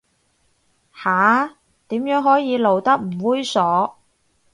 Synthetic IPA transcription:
haː˨˥ | t̪iː˨˥mjœː˨˥ŋɦɔː˨˥jiː˨˧lo˨˧wt̪ɐ˥k̚m̩˨˩wuː˥jsɔː˨˥

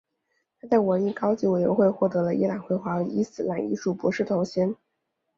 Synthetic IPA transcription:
t̪ʰa˥t͡sa˥˩ɪwə˧˥ni˧˥kɑ˥ʊt͡ɕi˧˥we˨˩ɪɥɛ̰˧˥nxwe˥˧ɪxwɔ˥˩t̪ɤ˧˥lə˧ʔi˥la˨˩nxwe˧˥˩ɪxwa˧˥˧i˥sɹ̩˥la˧˥ni˧˥ʂu˥˩pwɔ˧˥ʂɻ̩˥˩t̪ʰo˧˥ʊɕjɛ˥n

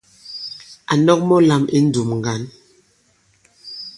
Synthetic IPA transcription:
a˨nɔ˦k̚mɔ˦la˨mi˦n̩˦du˨mŋ˨ɡa˨˦n

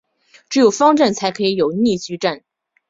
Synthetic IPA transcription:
ʈ͡ʂɻ̩˧˥jo˨˩ʊfɑ˥ŋʈ͡ʂa˥˩nt͡sʰa˧˥ɪkʰɤ˧˥i˧˥jo˨˩ʊni˥˩t͡ɕy˥ʈ͡ʂa˥˩n

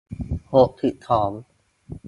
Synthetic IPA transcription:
ho˨˩k̚t̪ʰi˨˩t̪ʰːɔː˩˦m

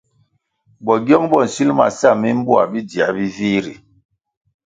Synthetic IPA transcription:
bɔ˨ɡjɔ˦ŋbɔ˦˨n̩˨si˦lma̰˨sa˦˨mi˦m˦bu˦a̰˨bi˦di˨a˨˦bi˦vi˦ɾi˨

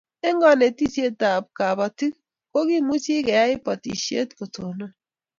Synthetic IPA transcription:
e˦ŋɡɔ˦ne˨ti˦sje˦ta˨b̚ka˨ba˨ti˦ | ko˦ɡi˦mu˦t͡ʃi˦kɛ˨ja˦ɪ˦pɔ˨tḭ˨ʃḛ˦tko˨to˨nɔ˦

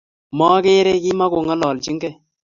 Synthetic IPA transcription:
mɔ˦ke˦ɾɛ˦ki˦ma˦ko˨ŋɔ˦lɔ˨lt͡ʃi˦ŋɡɛ˦˨

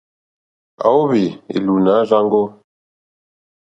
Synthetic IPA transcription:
a̰˨wo˦βi˨ḛ˨lu˨na˨˦ʒa˦ŋɡo˦

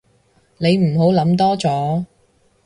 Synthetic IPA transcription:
ne˨˧jm̩˨˩ɦo˨˥wlɐ˨˥mt̪ɔː˥t͡sɔː˨˥

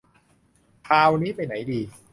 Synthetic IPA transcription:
p̪ʰaː˧wniː˦˥pa˧jna˩˦jdiː˧

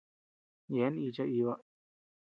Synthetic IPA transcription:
je˨˦n˦i˧t͡ʃa˧ʔi˧βa˦

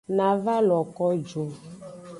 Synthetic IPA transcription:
nã˨va˦lɔ˨kɔ˦d͡ʒo˨

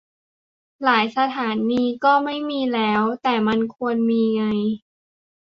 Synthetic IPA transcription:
laː˩˦jsa˧t̪ʰaː˩˦nːiː˧kɔː˥˩ma˥˩jmiː˧lɛː˦˥wt̪ɛː˨˩ma˧nkʰu˧ənmiː˧ŋa˧j

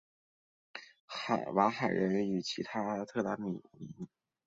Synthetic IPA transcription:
xa˨˩wa˧˥xa˨˩ɪɻə˧˥ny˨˩t͡ɕʰi˧˥t̪ʰa˥˧t̪ʰɤ˥˩t̪a˧˥mḭ˨˩li˧˥n

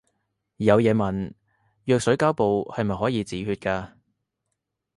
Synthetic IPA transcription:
jɐ˨˧wjɛː˨˧mɐ˨˩n | jœː˨˧k̚sɵ˨˥ɥkaː˥wpo˨whɐ˨jmɐ˨jɦɔː˨˥jiː˨˧t͡siː˨˥hyː˧t̚kaː˧

